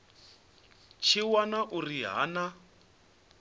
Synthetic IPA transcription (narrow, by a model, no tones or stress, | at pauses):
t͡ʃʰiwanaʔuriɦa̰ːna